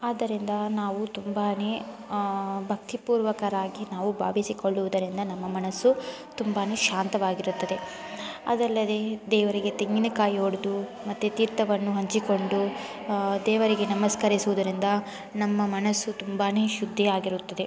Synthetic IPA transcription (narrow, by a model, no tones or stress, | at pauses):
aːd̪ɐɾind̪ɐnaːʋut̪umbaːne̞ː | bʱɐk̚t̪ipuːɾʋɐkɐɾaːɡinaːʋubʱa̰ːʋisiko̞ɭːuʋud̪ɐɾind̪ɐnɐmːɐmɐnɐsːut̪umbaːne̞ːʃaːnt̪ɐʋaːɡiɾut̪ːɐd̪e̞ | ɐ̰d̪ɐlːɐd̪e̞d̪ɛːʋɐɾiɡet̪eŋɡinukaːjioːɽud̪umɐt̪ːut̪iːɾt̪ɐʋɐnːuɦɐɲt͡ʃiko̞ɳɖu | d̪ɛːʋɐɾiɡe̞nɐmɐskɐɾisuʋud̪ɐɾind̪ɐ | nɐmːɐmɐnɐsːut̪umbaːne̞ːʃud̪ʱːiaːɡiɾut̪ːɐd̪e̞